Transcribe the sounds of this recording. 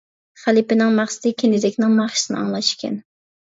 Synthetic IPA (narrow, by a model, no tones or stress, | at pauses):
χælˠipɪnɪŋmɑχsɨ̥d̪ɪkʲʰenɪd̪ɪkʲnɪŋmɑχʃi̥sɪnɨ̰ɑ̰ŋlˠɑʃkʲɛ̰n